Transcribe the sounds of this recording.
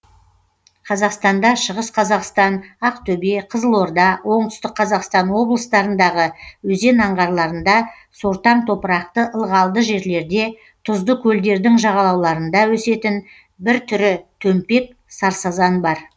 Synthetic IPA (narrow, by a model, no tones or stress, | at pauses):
qʰɑzɑqst̪ɑnd̪ɑʃəʁəsqʰɑzɑqst̪ɑnɑqt̪ʰɵbeqʰəzəlˠwo̞ɾd̪ɑwo̞ɴt̪ʏ̥st̪ɪkqʰːɑzɑqst̪ɑnwo̞blˠəst̪ɑɾənd̪ɑʁəwɵze̞nɑɴʁɑɾlˠɑɾənd̪ɑ | so̞ɾt̪ɑmt̪ʰo̞pəɾɑq̚t̪əʔəlˠʁɑlˠd̪əʒe̞ɾle̞ɾd̪e̞ | t̪ʰʊzd̪əkʲʰɵld̪e̞ɾd̪ɪŋʒɑʁɑlˠɑwlˠɑɾənd̪ɑwɵse̞t̪ɪn | bɪɾt̪ʰʏɾɪt̪ʰɵmpe̞k̚ | sɑɾsɑzɑnbɑɾ